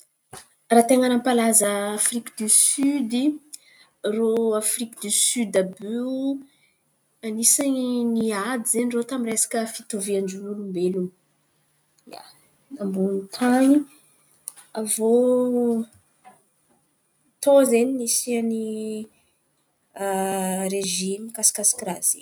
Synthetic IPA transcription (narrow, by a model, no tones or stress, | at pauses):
rat̪eŋanampalazəːfrikəd̪ysyd̪i | roafrikəd̪ysyd̪aby | anisaniniad̪izenirot̪amiresḁkəfit̪oviaɳɖ͡ʐulumbelun | ja̰ | nambunt̪ʰani | avo | t̪ozeninisiani | ɾeʒimikasi̥kasi̥krazḭ